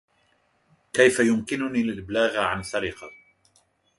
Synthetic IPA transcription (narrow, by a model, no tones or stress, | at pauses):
kajfajʊmkɪnʊniːlɪlblaːɣʕansaɾɪqɑ